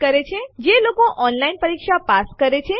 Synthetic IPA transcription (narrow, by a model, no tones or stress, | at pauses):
kəɾet͡ʃʰed͡ʒelokoʔɔnlainpəɾikʃapaskəɾet͡ʃʰe